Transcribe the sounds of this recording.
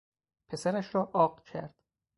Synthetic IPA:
pʰe̞sæɾæʃɾɒːʔɒːɢcʰæ̰ɾd̪̥

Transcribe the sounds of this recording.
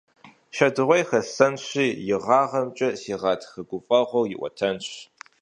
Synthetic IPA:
ʃɐdɨʁʷɔjxɐɬɐnɕiːjɪʁɑːʁɐmt͡ʃʼɐsiːʁɑːtʰxɐɡʷʊfʼɐʁʷɐwjɪʔʷɔ̰tʰɐnɕ

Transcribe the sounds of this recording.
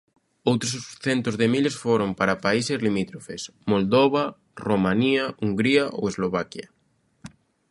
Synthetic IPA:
owt̪ɾossθent̪ozðemilesfoɾompaɾapaisezlimit̪ɾofesmold̪oβ̞a | romãniauŋɡɾiaʔo̰wezloβakjɐ

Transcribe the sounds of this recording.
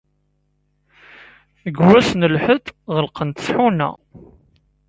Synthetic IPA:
əɡwæsnəlħəθʁəlqənt̪sˤħunæ̰

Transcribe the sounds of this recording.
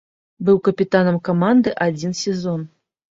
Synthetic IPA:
bɨwkɐpʲit̪anɐmkɐmand̪ɨʔad͡zʲinsʲɪzɔn

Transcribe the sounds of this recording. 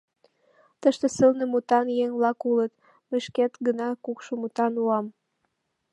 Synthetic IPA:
t̪əʃt̪esəlnəmut̪ɑnjeŋβlɑkulət̪ | mə̆ʃket̪ɡənɑkukʃomut̪ɑnuɑm

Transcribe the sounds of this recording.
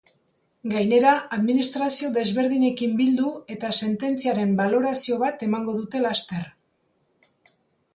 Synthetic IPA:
ɡajne̞ɾaaðminist̪ɾasio̞ðe̞zβe̞ɾð̞iɲe̞kimbild̪ue̞t̪ase̞nt̪e̞nt͡siaɾe̞mbalo̞ɾasio̞β̞at̪e̞maŋɡo̞ðut̪e̞last̪e̞r

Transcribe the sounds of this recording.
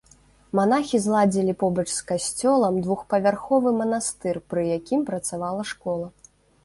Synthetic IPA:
manaxʲizlˠad͡zʲilʲipɔbɐt͡ʂskasʲt͡sʲɔlˠɐmd̪vuxpɐvʲarxɔvɨmɐnast̪ɨrpɾɨjakʲimpɾɐt̪savalˠɐʂkɔlˠɐ

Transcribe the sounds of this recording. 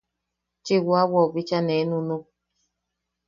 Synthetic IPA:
t͡ʃewoawɔbit͡ʃanenunu

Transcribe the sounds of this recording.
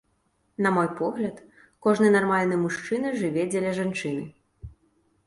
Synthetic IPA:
nɐmɔjpɔɣlʲɐt̪ | kɔʐnɨjnarmalʲnɨjmuʂt͡ʂɨnɨʐɨvʲɛd͡zʲɛlʲɛʐant͡ʂɨnɨ̰

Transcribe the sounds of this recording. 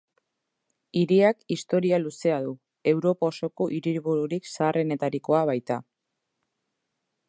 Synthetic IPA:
iɾiakist̪o̞ɾialuse̞aðu | e̞wɾo̞pao̞so̞ko̞ʔiɾiɾβuɾuɾiksaːre̞ne̞t̪aɾiko̞aβ̞ajt̪a

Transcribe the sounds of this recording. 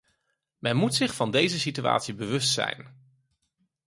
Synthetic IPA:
mɛnmutsɪχfɑndejzəsitya̰ːtsibəʋɵstsɛ̰jn

